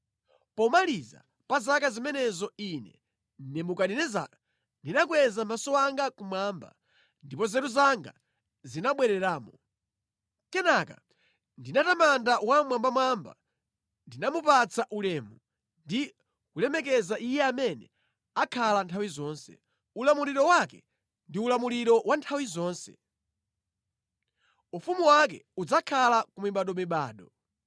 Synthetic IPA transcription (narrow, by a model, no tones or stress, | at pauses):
pɔmaliza̰ | pazakazimɛnɛzɔinɛ̰ | nɛmukaɗinɛza | ndinak̬wɛzamasɔaŋɡakumwaːmba̰ | ndipɔzɛɾuzaŋɡa̰ | zinaɓwɛɾɛɾaːmɔ | kɛnaka̰ | ndinatamandawamwambamwamba̰ | ndinamupat͡saʔulɛːmu | ndi | ulɛmɛk̬ɛzaʔijɛamɛnɛ | akʰalantʰawizɔːnsɛ̰ | ulamuliɾɔwakɛ̰ | ndiulamuliɾɔwantʰawizɔːnsɛ̰ | ufumuwak̬ɛ̰ud͡zakʰalakumiɓaɗɔmiɓaːɗɔ